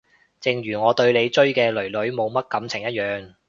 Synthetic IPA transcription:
t͡sɪ˨ŋɥyː˨˩ŋɔː˨˧t̪ɵ˧ɥle˨˧jt͡ʃɵ˥ɥkɛː˧lɵ˨˩lɵ˨˥ɥmo˨˧wmɐ˥t̚kɐ˨˥mt͡sʰɪ˨˩ŋjɐ˥t̚jœː˨˧ŋ

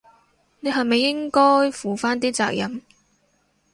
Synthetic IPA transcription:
ne˨˧ɦɐ˨jme˨jːɪ˥ŋkɔː˥jfuː˨˩faː˥nt̪̬iː˥t͡sa̰ː˧˨k̚jɐ˨˩m

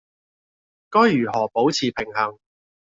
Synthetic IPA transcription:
kɔː˥jjyː˨˩hɔː˨˩po˨˥wt͡sʰiː˨˩pʰɪ˨˩ŋhɐ˨˩ŋ

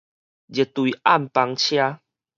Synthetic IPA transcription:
d͡ʑe˨˩t̪wi˨ʔa˦˥˨mpa˧ŋt͡ɕʰja˦

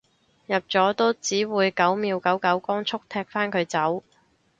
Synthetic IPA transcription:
jɐ˨p̚t͡sɔː˨˥t̪o˥wt͡siː˨˥wuː˨˧jkɐ˨˥wmiː˨˧wkɐ˨˥wkɐ˨˥wkɔː˥ŋt͡sʰʊ˥k̚t̪ʰɛː˧k̚faː˥nkʰɵ˨˧ɥt͡sɐ˨˥w

